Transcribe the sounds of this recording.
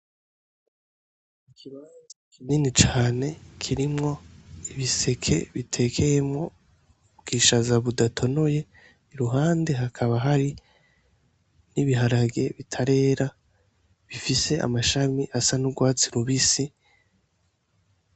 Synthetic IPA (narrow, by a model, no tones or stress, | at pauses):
ikʰiβaːnzakininit͡ʃaːne̞kʰiɾimŋo̞iβise̞kʰe̞̰βitʰe̞kʰe̞jemŋo̞ | bɡiːʃazaβudatʰo̞no̞je̞ | iɾuɦaːnde̞ɦakʰaβaɦaɾi | niβiɦaɾaɡe̞βitʰaɾe̞ːɾa | βifise̞ʔa̰maʃamiʔasanuɡwaːt͡siɾuβisi